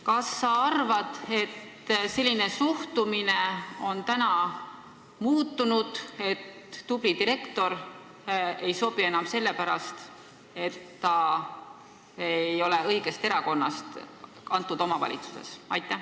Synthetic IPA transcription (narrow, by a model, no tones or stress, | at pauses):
kɑsːɑɑrvɑd̪̥e̞t̪ː | se̞lʲːine̞suht̪umine̞o̞nt̪ænɑ | muːt̪ːunud̪̥e̞t̪ː | ub̥lid̪iɾe̞kt̪o̞ɾ | e̞jso̞b̥ie̞nɑmse̞lːe̞pæɾɑst̪ | e̞t̪ːɑ | ejo̞le̞ɤ̞jɡ̥e̞st̪e̞ɾɑko̞nːɑst̪ | ɑnt̪ːˑud̪o̞mɑvɑ̰lʲḭt̪su̥sḛsɑjt̪ːˑæ